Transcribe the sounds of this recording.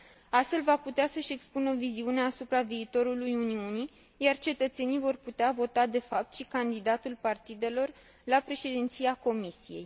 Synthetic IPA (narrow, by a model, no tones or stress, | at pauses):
ast̪fe̞lvaput̪easəʃe̞kspunəviziune̞asupɾaviːt̪o̞ɾulujuniuni | jart͡ʃe̞t̪ət̪se̞nijvo̞rput̪eavo̞t̪ad̪e̞fap̚t̪ʃikand̪id̪at̪ulpart̪id̪e̞lo̞r | lapɾe̞ʃe̞d̪int̪sijako̞misije̞̰j